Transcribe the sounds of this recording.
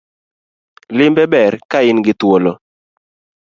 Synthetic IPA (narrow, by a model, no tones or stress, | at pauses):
lɪmbɛbɛrkaɪnɡɪt̪wolɔ